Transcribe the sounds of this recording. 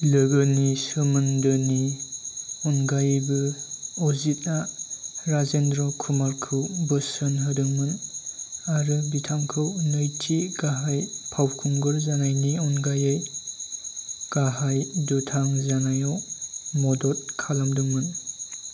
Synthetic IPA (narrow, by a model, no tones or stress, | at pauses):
lɯɡɯnisɯmɯndɯni | ɔnɡajbɯɔzit̚naɾazendɾɔkʰumaɾkʰɯwbɯsɯnɦɯdɯŋmɯn | aɾɯbitʰaŋkʰɯwnɯjtʰiɡaɦajpʰawkʰuŋɡɯɾzanajniɔnɡajej | ɡ̥aɦajdɔtʰaŋzanajɔmɔdɔt̚kʰalamdɯmɯn